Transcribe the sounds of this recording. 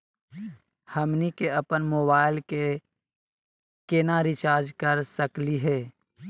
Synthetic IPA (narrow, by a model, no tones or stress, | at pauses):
həmnikeɐpənmoːbaːɪlke | kenaɾɪt͡ʃaːɾd͡ʒkəɾsəkliɦɛː